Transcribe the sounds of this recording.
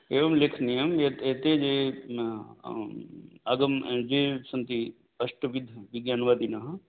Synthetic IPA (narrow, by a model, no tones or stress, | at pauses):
eːʋɐmlekʰnijɐmeeːt̪ed͡ʒe | aɡəmd͡ʒeːsɐnt̪i | ɐsʈəʋid̪ʱːʋɪɡjaːnʋaːd̪inaɦ